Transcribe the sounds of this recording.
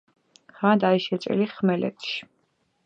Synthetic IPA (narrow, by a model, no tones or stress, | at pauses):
χad̪aiʃɛt̪t͡ʃʼḭliχmɛlɛ̰t̪ʰʃi̥